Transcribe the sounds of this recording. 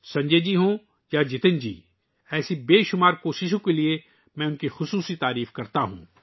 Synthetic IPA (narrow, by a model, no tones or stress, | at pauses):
sɐ̃ɲd͡ʒeːd͡ʒiɦũ | jad͡ʒɪt̪ɪnd͡ʒḭː | ɛːsibeːʃʊmaːɾkoːʃɪʃ̬õkelie | mɛ̃ːʊnkixʊsuːsit̪aːɾiːfkɐɾt̪aɦṵ̃ː